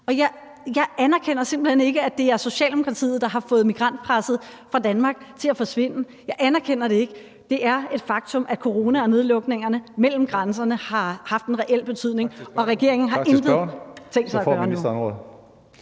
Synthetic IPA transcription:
ɒ̽jɑ̈ɪ | jɑ̈ɪʔænɐkʰen̰ɐse̝m̰b̥l̩hene̝ɡ̥əæd̥e̝æɐso̝ɕɛ̰ːld̥emo̝kʰʁɑ̈t͡sʰḭːð̩ˠd̥ɑ̈ɦɑ̈fɔ̽ːð̩ˠmiɡ̥ʁɑ̈n̰d̥̚pʰʁasð̞̩ˠfʁɑ̈d̥ænmɑ̈ɡ̥̚t͡sʰe̝læfɒ̽sʋe̝n̰ə | jɑ̈ɪʔænæɐkʰen̰ɐɾ̥e̝e̝ɡ̥ə | d̥e̝ʔæɐe̝d̥fɑ̈ɡ̥̚t͡sʰɔ̽mʔækʰo̝ʁo̝ːnæɒ̽ne̝ð̞ˠlɔ̽ɡ̥ne̝ŋɐnəmel̰m̩ɡ̥ʁans̬ɐnəhɑ̈hɑ̈fd̥enʁɛʔel̰b̥e̝t͡sʰyð̞̰ˠne̝ŋɒ̽ʁɛɡ̥e̝ɐ̰eŋn̩ɦɑ̈ʔend̥ʁəðˠt͡sʰeŋ̰ɡ̥sɑɪɐ̥ɶːɐnu

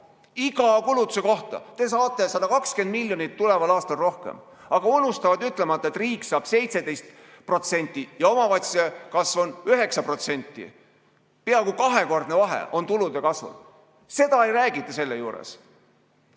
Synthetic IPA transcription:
iɡ̥ɑkulut̪ːˑuse̞ko̞ht̪ɑ̰t̪e̞s̬ɑːt̪ːˑe̞sɑd̪̥ɑkɑkske̞nd̪milʲjo̞nit̪ːule̞vɑlɑːst̪ɑlro̞hkḛm | ɑɡ̥ɑunːust̪ɑvɑd̪yt̪ːˑle̞mɑt̪ˑːɑet̪riːkːsɑːb̥se̞jt̪se̞d̪e̞jst̪ | pro̞t̪se̞nʲt̪ʲːˑijɑo̞mɑvɑjt̪ʲsi̥sekɑsvo̞nyɦe̞ksɑpro̞t̪se̞nʲt̪ːˑḭ | peɑkukɑɦe̞ko̞rd̪̥ne̞vɑɦḛʔo̞nt̪ulud̪ekɑsvṵd | se̞d̪̥ɑe̞jɾæːɡit̪ːˑɑse̞lːejuːɾḛs

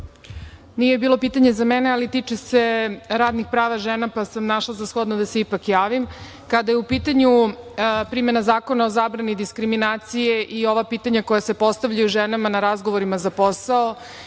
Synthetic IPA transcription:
nijebiːlo̞piːt̪aɲezamenealit̪it͡ʃese̞ɾaːd̪nixpɾaːʋaʒenapasamnaʃlˠazasxod̪nod̪aseipakjaːʋim | kad̪ajeupiːt̪aɲu | pɾimenazaːko̞nao̞zaːbɾanid̪iskɾiminaːt̪sijeʔio̞ʋapiːt̪aɲako̞jase̞po̞st̪aʋʎajuʒenamanaɾazɡo̞ʋoɾimazapo̞sao̞

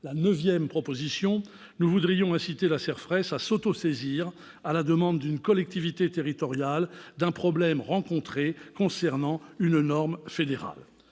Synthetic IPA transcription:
lanəvjɛmpχɔpozisjɔ̃ | nuvud̪ʁijɔ̃ɛ̃sit̪elasɛʁfχɛsasot̪oseziːʁ | alad̪əmɑ̃d̪ːynkɔlɛk̚t̪ivit̪et̪eʁit̪ɔʁjald̪ɛ̃pχɔblɛmʁɑ̃kɔ̃t̪χekɔ̃sɛʁnɑ̃ynnɔʁmfed̪eʁa̰l

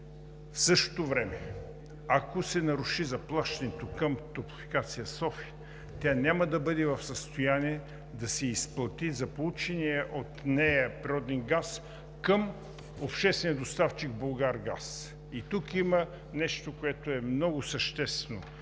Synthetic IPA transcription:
fsɤʃt̪o̥t̪ovɾɛmɛ | akosɛnɐɾuʃizɐplˠaʃt̪ɐnɛt̪okəmt̪opifi̥kat̪sijəsɔfi̥ | t̪ʲanʲaməd̪ɐbɤd̪ɛvɐfsəst̪ojaniɛ | d̪ɐsɛisplˠɐt̪izɐpolˠut͡ʃɛniɛʔot̪nɛjəpɾiɾɔd̪ɛnɡas | kəm | opʃt̪ɛst̪vɛniəd̪ost̪aft͡ʃiɡ̚bolˠɡaɾɡa̰s | it̪ukimə | nɛʃt̪okoɛt̪oɛmnɔɡʊsəʃt̪ɛst̪vno

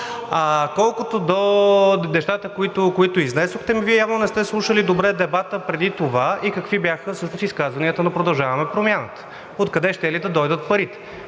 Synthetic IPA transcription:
akɔlˠkot̪od̪onɛʃt̪at̪əkoit̪okoit̪oiznɛsoxt̪ɛmiviɛjavnonɛst̪ɛslˠuʃəlid̪obɾɛd̪ɛbat̪əpɾɛd̪it̪ovaikɐkvibjaxəfsɤʃnosiskazvɐniət̪ənɐpɾod̪ɐlˠʒavɐmɛpɾomʲjanət̪ə̥ | ot̪kɐd̪ɛʃt̪ɛlid̪ɐd̪ɔjd̪ət̪pɐɾit̪ɛ̥

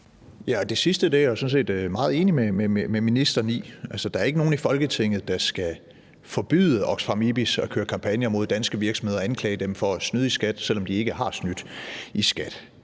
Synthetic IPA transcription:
jæɒ̽d̥e̝sisd̥əd̥ejsɔ̽n̩s̬e̝̰ːd̥mɑ̈ːð̩ˠe̝ːnimememememinisd̥ɐnḭːælsəd̥ɑ̈æɐe̝ɡ̥əno̝ːn̩ifɒ̽lɡ̥ət͡sʰe̝ŋ̰ð̞̩ˠd̥ɑ̈sɡ̥æ | fɒ̽b̥y̰ːðˠəʔɒ̽ɡ̥sfɑ̈mib̥isɒ̽kʰøːɐkʰɑ̈mpʰænjɐmo̝ð̰ˠd̥ænsɡ̥əʋiɐɡ̥sɒmhe̝ðˠɒænkʰlɛ̰ːɪəd̥emfɒ̽æsnyð̞ˠisɡ̥æd̥sel̰ɒ̽md̥ie̝ɡ̥əhɑ̈snyd̥isɡ̥æd̥

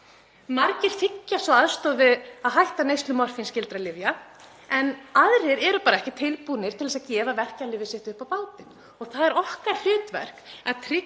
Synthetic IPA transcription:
maɾcɪr̥θɪcːasvɔaðst̪ɔðvɪðaðɦajht̪anejst̪lʏmɔr̥finscɪlt̪ɾalɪvja | ɛnaðɾeɾɛɾʏpaːɾaɛhcɪt̪ʰɪlpunɪɾt̪ʰɪlɛsaðcɛːvavɛr̥calɪːvɪsɛht̪ʏhpawpaːwt̪ɪ | ɔɣθaðɛɾɔhkaɾ̥l̥ʏːt̪vɛ̰r̥kaðt̪ʰɾɪ

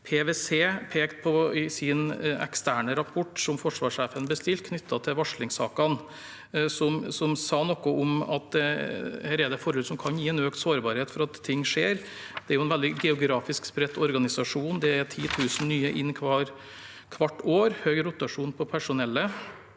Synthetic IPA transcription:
pʰeʋeseːpʰeːkt̪pʰɔɪsɪnɛ̰kst̪ʰæːɳəɾɑpʰɔʈːsɔmfɔʂʋɑːʂeːfənbəst̪ɪlt̪̚kʰnʏt̪ʰːɑt̪ʰɪʋɑʂɭɪŋsɑ̰ːkɑn | sɔmsɔmsɑːnɔkːɔɔmɑ̰t̪̚d̪ɛhæːɾæd̪ɛfɔɾʉːd̪sɔmkʰɑnjiːɛnøːkt̪soːɾbɑɾheːt̪fɔɾɑt̪ʰːɪŋːʂeːɾ | d̪̥ɛæɾjʊɛnʋɛld̪ɪɡɛʊɡɾɑːfɪskspɾɛt̪ːɔɾɡɑnɪsɑʂuːnd̪ɛæt̪ʰiːt̪ʰʉːsn̩nːyːəʔɪnːkʰʋɑːɾ | kʰʋɑʈːoːɾhøːɡɾʊt̪ɑʂuːnpʰɔpʰæʂʊnɛlːə

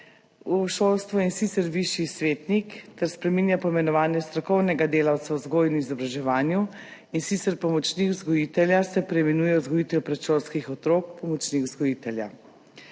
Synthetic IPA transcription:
uʃolst̪ʋɔinsit̪sɛɾʋiʃjisʋeːt̪nikt̪ɛɾspɾɛminjapɔimɛnɔʋaːnjɛst̪ɾɔkɔwnɛɡad̪eːlawt̪sauzɡoːjnuizɔbɾaʒɛʋaːnju | insit̪sɛɾpɔmɔt͡ʃnixzɡɔjit̪ɛljasɛpɾɛimɛnuːjɛuzɡɔjit̪ɛjpɾɛt̪ʃolskixɔt̪ɾoːkpɔmɔt͡ʃnixzɡɔjit̪ɛlja̰

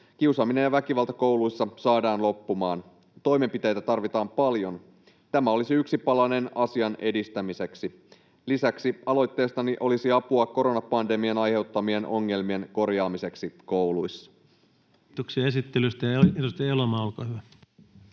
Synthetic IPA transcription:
k̟iusɑmːine̞jɑʋækiʋɑlˠt̪ɑko̞wluisːɑsɑːdɑːnlo̞pːumɑːn | t̪o̞jme̞mpit̪e̞jt̪æt̪ɑrʋit̪ɑːmpɑljo̞n | t̪æmæo̞lisiyksipɑlɑne̞nɑsiɑnʔe̞dist̪æmise̞ksi | lisæksiɑlo̞jt̪ːe̞ːst̪ɑniʔo̞lisiɑpuɑko̞ɾo̞nɑpɑnde̞mienɑjhe̞wt̪ːɑmie̞nʔo̞ŋːe̞lmie̞nko̞rjɑːmise̞ksiko̞wluisːɑ̥ | t̪oksiɑesit̪ːelyst̪æjetust̪elomɑːolko̰ːhyʋæ

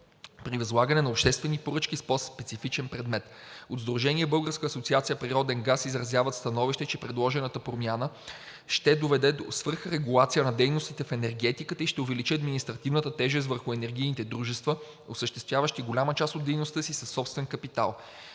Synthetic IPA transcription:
pɾivɐzlˠaɡənɛnɐopʃt̪ɛst̪vɛnipoɾɤt͡ʃkʲispɔspɛt̪sifit͡ʃɛnpɾɛd̪mɛt̪ | od̪zd̪ɾoʒɛniɛbɤlˠɡəɾskəɐsot̪siat̪sijəpɾiɾɔd̪ɛnɡasizɾɐzʲjavət̪st̪ɐnɔviʃt̪ɛt͡ʃɛpɾɛd̪lˠɔʒɛnət̪əpɾomjanə | ʃt̪ɛd̪ovɛd̪ɛd̪osvɤɾxɾɛɡulˠat̪sijənɐd̪ɛjnost̪it̪ɛfɛnɛɾɡɛt̪ikət̪əiʃt̪ɛʊvɛlit͡ʃiɐd̪minist̪ɾɐt̪ivnət̪ət̪ɛʒɛst̪vəɾxʊɛnɛɾɡʲijnit̪ɛd̪ɾuʒɛst̪və | osəʃt̪ɛst̪vʲjavəʃt̪iɡolʲamət͡ʃasod̪ːɛjnost̪əsisɐsːɔpst̪vɛnkɐpit̪a̰lˠ

